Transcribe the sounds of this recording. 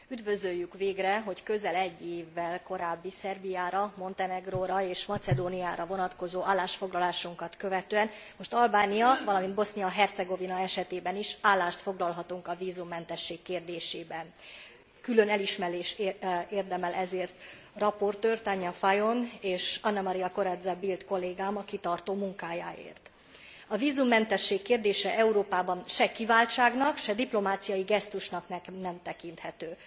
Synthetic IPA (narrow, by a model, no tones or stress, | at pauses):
yd̪vø̞zøjːykʋeːɡrɛɦo̞ckø̞zɛlɛɟːeːvːɛlko̞ɾaːbːisɛrbijaːɾɒmo̞nt̪ɛnɛɡroːɾɒeːʃmɒt̪sɛd̪oːniaːɾɒvo̞nɒt̪ko̞zoːʔaːlːaːʃfo̞ɡlɒlaːʃuŋkɒt̪kø̞vɛt̪øːɛn | mo̞ʃt̪ɒlbaːnijɒvɒlɒmind̪̚bo̞snijɒɦɛrt̪sɛɡo̞vinɒɛʃɛt̪eːbɛniʃaːlːaːʃt̪fo̞ɡlɒlɦɒt̪uŋkɒviːzumːɛn̪t̪ɛʃːeːkːeːrd̪eːʃeːbɛn | kylø̞nɛliʃmɛɾeːʃeːrd̪ɛmɛlʔɛzeːrt̪ | rɒpo̞rt̪øːrt̪aɲːɒfajo̞neːʃɒnːɛmɒɾijɒko̞ɾɛd̪zɛbilt̪ko̞lːeːɡaːmɒkit̪ɒrt̪oːmuŋkaːjaːḛːrt̪ | ɒviːzumːɛnt̪ɛʃːeːkːeːrd̪eːʃɛʔɛuɾoːpaːbɒnʃɛkivaːlt͡ʃaːɡnɒkʃɛd̪iplo̞maːt̪sijɒjiɡɛst̪uʃnɒknɛkmnɛmt̪ɛkin̪t̪hɛt̪øː